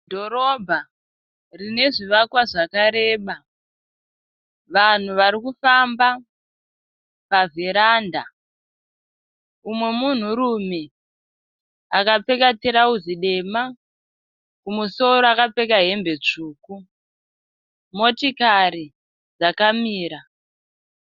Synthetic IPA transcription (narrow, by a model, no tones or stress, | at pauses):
dʱo̞ɾobʱa | rine̞ʐiʋakwaʐakaɾe̞ːɓa | ʋan̤uʋaɾikufamba | pavʱeɾaːnda̰ | umwe̞mun̤uɾume | akap͡fe̞kateɾauziɗe̞ma | kumuso̞ɾoakape̞kaɦe̞mbe̞t͡ʂuːku | mo̞tikaɾi | d͡zakamiːɾa